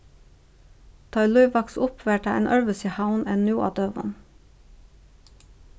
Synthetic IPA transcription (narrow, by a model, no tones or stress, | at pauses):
t̪ʰɑɪluʏʋɑksʊpʰʋeːʈɑʔḛːnʔœɹʋəsɪhaʊneːnnːjuːʔɑ̰ːd̪øːʋʊ̰n